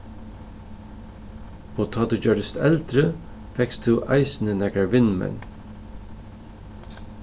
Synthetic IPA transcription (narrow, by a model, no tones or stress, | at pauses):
pʰoːt̪ʰɑːt̪əd͡ʒœɖəst̪ʰɛld̪ɾə | fɛkst̪ʰʉːʔɑɪsn̩ənɛkɾaɹʋɪnmɛ̰n